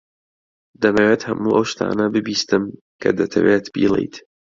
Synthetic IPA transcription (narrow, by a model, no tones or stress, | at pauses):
d̪ɐneweːt̪hɐmuːʔɐwʃt̪ʰa̰ːnɐbɨbiːst̪ɨm | kʰɐd̪ɐt̪ʰɐweːt̪bḭːlˠḛjt̪